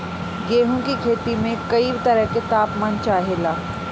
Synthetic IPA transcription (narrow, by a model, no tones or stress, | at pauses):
ɡeːɦõkikʰeːt̪imẽkɐibt̪ɐɾəɦket̪aːpmant͡ʃaːɦelaː